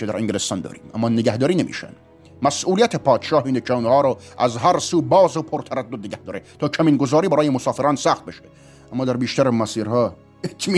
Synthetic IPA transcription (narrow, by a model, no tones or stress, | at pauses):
ed̪æ̰ɾeŋɟelest̪ɒnd̪ɒ̰ːɾḭːmʔæ̰mːɒːneɡæhd̪ɒːɾiːnemḭːʃæ̰n | mæsʔuːlijæt̪ʰepʰɒːd̪ʃɒːhiːnekʰeunhɑːɾɔʔæzɦæɾsuːbɒːzopʰoɾt̪ʰæɾæd̪ːod̪neɡʲæhd̪ɒːɾet̪ʰɒːkʰæmiːnɡozɒːɾiːbæɾɒːjemosɒːfeɾɑːnsæxχt̪̚beʃe | æmːɑːd̪æɾbiːʃt̪æɾemæsiːɾhɒː | etʰmi